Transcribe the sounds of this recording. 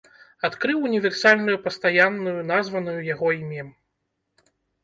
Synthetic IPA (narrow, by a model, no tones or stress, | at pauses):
at̪kɾɨwunʲivʲɛrsalʲnujupɐst̪ajanːujunazvɐnujujaɣɔimʲɛ